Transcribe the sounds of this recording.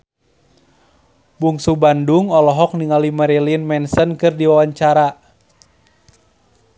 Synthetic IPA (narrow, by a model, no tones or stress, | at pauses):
buŋsubanduŋɔlɔɦɔk̚niŋalimaɾɛlinmɛnsənkɨrdiwawaɲt͡ʃaɾa